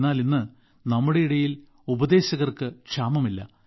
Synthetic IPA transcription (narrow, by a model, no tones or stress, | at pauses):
nːaːlinːɨ | nɐmːuɽe̞iɽɐjil | ubɐd̪e̞ːɕɐɣɐrkɨkɕaːmɐmilːɐ̰